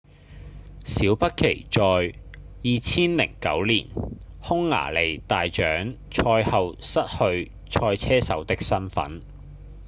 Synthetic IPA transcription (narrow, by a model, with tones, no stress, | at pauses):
siː˨˥wpɐ˥t̚kʰe˨˩jt͡ʃɔː˨j | jiː˨˧t͡sʰiː˥nlɪ̰˨˩ŋkɐ̰˨˥wliː˨˩n | hʊ˥ŋːa̰ː˨˩le˨˩jt̪aː˨jt͡ʃœː˨˥ŋ | t͡ʃʰɔː˧jhɐ˨wsɐ˥t̚hɵ˧ɥ | t͡ʃʰɔː˧jt͡sʰɛː˥sɐ˨˥wt̪ɪ˥k̚sɐ˥nfɐ̰˨˥n